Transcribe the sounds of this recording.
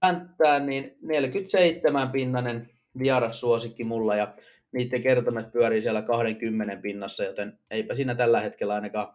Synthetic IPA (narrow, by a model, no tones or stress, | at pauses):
ænt̪ːæːnniːnnelkyt̪seit̪ːemæmpinːɑnen | ʋiɑɾɑssuosikːimulːɑjɑ | niːt̪ːeŋkert̪omet̪̚pyæɾisiælːˑækɑhɾeŋkymːenempinːɑsːɑjot̪eneipæsiːnæt̪ælːæhet̪kelːæɑˑinɑkɑː